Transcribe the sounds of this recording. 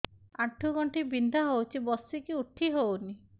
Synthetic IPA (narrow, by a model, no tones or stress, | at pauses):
aʈʰːuɡɔɳʈibind̪ʱaɦowt͡ʃʰibɔsikiuʈʰːiɦowni